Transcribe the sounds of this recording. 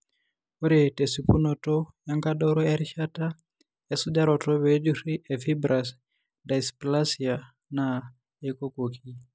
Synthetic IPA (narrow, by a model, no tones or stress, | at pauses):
oɾitesipunɔtɔjaŋkaɗɔɾɔjaɾiʃata | ɛsud͡ʒaɾɔtɔβɛd͡ʒuɾiʔɛfibɾas | daisplasia | na | ɛkokokʰi